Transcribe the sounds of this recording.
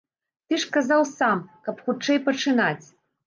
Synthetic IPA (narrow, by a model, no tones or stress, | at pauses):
t̪ɨʂkazawsamkɐpxut͡ʂɛjpɐt͡ʂɨnat͡sʲ